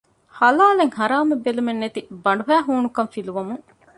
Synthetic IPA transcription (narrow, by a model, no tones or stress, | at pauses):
hɐlaːleŋhɐɾaːmɐbːelumenːet̪ibɐɳ̆ɖuɦæːɦuːnukɐmfiluʋɐmuŋ